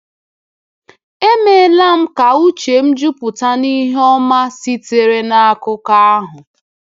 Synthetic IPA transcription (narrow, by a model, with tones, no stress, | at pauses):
e˦me˨la˦m̩˦ka˨u˦t͡ʃe˨m̩˦d͡ʒu˦pʊ˨ta˦ni˦ɦɔ˦ma˦si˦te˨ɾe˦na˦a˦kʊ˦ka˦a˦ɦʊ˨